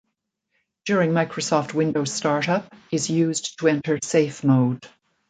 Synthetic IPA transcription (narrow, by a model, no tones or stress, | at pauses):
d̥jʊɹɪ̃ŋmaɪkʰɹosɔft̚wɪ̃ndoʊz̥stɑɹɾʌpɨzjʉztʰəɛ̃ntʰə˞seɪfmoʊd̥